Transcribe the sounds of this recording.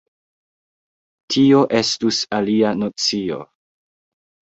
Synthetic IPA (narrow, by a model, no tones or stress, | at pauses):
tʰio̞ʔe̞stusalianot͡sio̞̰